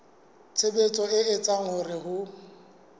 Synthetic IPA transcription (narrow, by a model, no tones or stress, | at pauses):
t͡sʰebet͡sʼɔɪɪt͡sʼaŋʊrɪɦʊ